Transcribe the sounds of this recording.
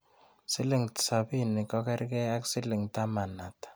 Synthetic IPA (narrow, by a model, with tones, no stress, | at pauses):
si˦le˨ŋtsa˨bi˦˨ni˨kɔ˦kɛ˦ɾkɛ˦a˦ksi˦li˨ŋta˦ma˨na˨tḁ˨